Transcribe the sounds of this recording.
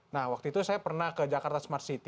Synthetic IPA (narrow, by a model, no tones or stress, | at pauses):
nahwak̚t̪uit̪usajapərnahkəd͡ʒakart̪asəmart̪sit̪i